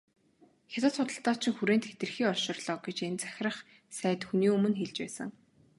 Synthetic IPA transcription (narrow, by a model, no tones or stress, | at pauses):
xʲat̪ə̆ːt͡ssʊt̪ə̆ɬt̪ɔːt͡ɕɪ̆ŋxuɾeːnt̪xet̪ɘ̆rxiːɔrʃɞ̆rɮɔːɡet͡ɕent͡sæ̥xʲɪrə̆χ | sæːt̪xuniːɵmɵ̆nxeɮt͡ɕpæ̰ːsə̰̆ŋ